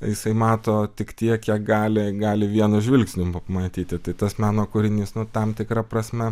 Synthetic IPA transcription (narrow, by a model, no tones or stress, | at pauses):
jɪsɐɪmɑːt̪oːt̪ʲɪkt̪ʲiɛkjiɛk̚ɡɑːlʲɪɡɑːlʲɪʋʲiɛnʊʒʲʋʲɪlʲksʲnʲʊmɐpmɐt̪ʲiːt̪ʲɪt̪ɐɪt̪ɐsmʲæːnoːkʊɾʲɪnʲiːsnʊt̪ɐmt̪ʲɪkɾɐpɾɐsʲmʲɛ